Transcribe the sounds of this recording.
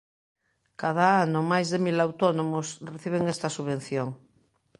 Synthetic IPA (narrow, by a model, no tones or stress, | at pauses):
kað̞aanʊmajzðemilawt̪onomʊsreθiβ̞eŋɛst̪ɐsuβen̟θjoŋ